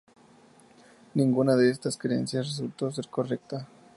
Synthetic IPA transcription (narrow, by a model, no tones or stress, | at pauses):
nĩŋɡunaðe̞est̪askɾeḛnsjasres̬ult̪o̞s̬e̞ɾko̞re̞k̚t̪a